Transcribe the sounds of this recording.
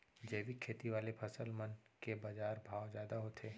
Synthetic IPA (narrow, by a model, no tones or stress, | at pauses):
d͡ʒəːʋikʰeːt̪iʋaːlepʰɐsəlmənkebad͡ʒaːɾbʱaːwzjaːd̪aɦot̪ʰeː